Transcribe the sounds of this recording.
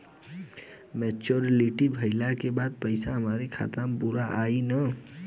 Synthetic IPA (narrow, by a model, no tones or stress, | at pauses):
mɛːt͡ʃoɾeliʈibʱɐɪlakebaːd̪̚pəɪsaɦɐmaːɾekʰa̰ːt̪ɾampuɾaʔaːina